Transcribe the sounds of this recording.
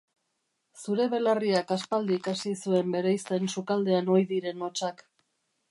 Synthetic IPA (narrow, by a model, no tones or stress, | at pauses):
suɾe̞βe̞lariakaspald̪iːkasisue̞mbe̞ɾajst̪ensukald̪e̞ano̞jðiɾe̞no̞t͡ʃak